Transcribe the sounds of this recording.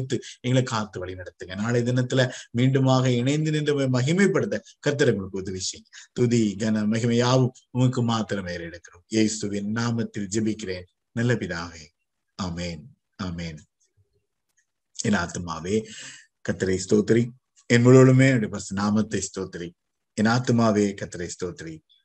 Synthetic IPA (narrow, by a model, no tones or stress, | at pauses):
t̪ːɯɛŋɡɐɭɐkaːt̪ːɯʋɐɭinɐɽɐt̪ːɯŋɡɐnaːlɐd̪ɐnɐt̪ːɪlɐmiːɳɖɯmaːɣɐɪnɐɪnd̪ɯnɪndɯmemɐɣɪmɐɪpːɐɽɯt̪ːɐkɐɾt̪ːɐɾɐŋɡɐɭɯkːɯʊðɯʋɪʂɐjɐŋɡɐt̪uðiɡɐnɐmɐɣɪmɐjaːʋɯm | ʊŋɐkːɯmaːt̪ːɪɾɐmeːɾɪɽɯkːɐɾumjeːsɯʋɪnnaːmɐt̪ːɪld͡ʒɐbɪkːɪɾeːn | nɐlːɐpɪðaːʋe | aːmeːn | aːmeːn | ɛnaːt̪ɯmaːʋeː | kɐɾt̪ːɐɾɐjst̪oːt̪ɐɾi | ɛnmɐɭɐɭɯmeːɐɖipɐɾsɐnaːmɐt̪ːɐst̪oːt̪ɐɾi | ɛnaːt̪maːʋeːkɐt̪ːɐɾɐjst̪oːt̪ɐɾi